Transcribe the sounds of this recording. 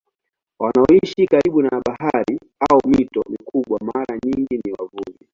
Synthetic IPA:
wanaɔiʃikaɾiɓunaɓahaɾi | aɔmitɔ̰mikʰuɓwamaɾaɲiŋɡiniwavuʄi

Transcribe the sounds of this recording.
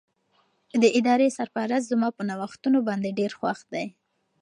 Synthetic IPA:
d̪əʔɪd̪ɑɾesaɾpaɾaszmɑpənawaxt̪unobɑnd̪eɖeɾxwaxd̪aj

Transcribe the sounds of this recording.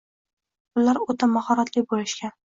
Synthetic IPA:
ʊlaɾot̪ʰamahɒɾat̪ʰlɪk̚ʲbolɪʃkʲan

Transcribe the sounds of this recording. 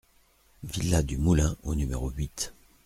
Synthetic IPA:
vilːad̪ymulɛ̃onymeʁoɥit̪

